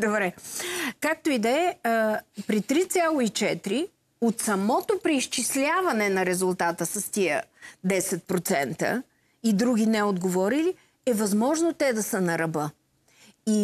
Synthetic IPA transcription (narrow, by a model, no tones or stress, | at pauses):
d̪obɾɛkak̚t̪oid̪ɛ | pɾit̪ɾit̪sʲjalˠoit͡ʃɛt̪ɾi | ot̪sɐmɔt̪opɾɛiʃt͡ʃislʲavɐnɛnɐɾɛzʊlˠt̪at̪əsɐst̪iəd̪ɛsɛt̪̚pɾot̪sɛnt̪ə̰ | id̪ɾuɡ̟ʲinɛod̪ɡovɔɾili | ɛvɐzmɔʒnot̪ɛd̪ɐsənɐɾɐbə | i